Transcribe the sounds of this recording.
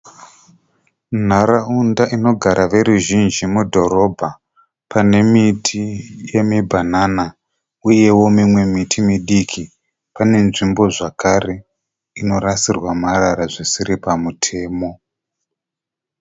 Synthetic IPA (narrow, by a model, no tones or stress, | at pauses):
n̤araundaʔino̞ɡʱaɾʔaʋe̞ɾuʒind͡ʒimudʱo̞ɾo̞bʱa | pʰane̞mitʰije̞mibʱanana | uje̞wo̞mimwe̞mitʰimiɗikʰi | pane̞nʐimbo̞ʐakʰare̞ | ino̞rasirwamaraɾaʐisiɾipamutʰe̞ːmo̞